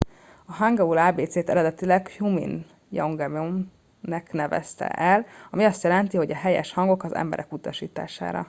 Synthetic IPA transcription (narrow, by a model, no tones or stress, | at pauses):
ɒɦaŋɡɒulaːbeːt̪seːt̪ɛɾɛd̪ɛt̪ilɛɡhumḭn | jɒŋɡɛmom | nɛknɛvɛ̰st̪ɛ̰ʔɛlɒmiɒst̪jɛlɛnt̪iɦo̞ɟɒɦɛjɛ̰ʃhɒŋɡo̞kɒzɛ̰mbɛ̰ɾʔɛkut̪ɒʃiːt̪a̰ːʃa̰ːɾɒ̰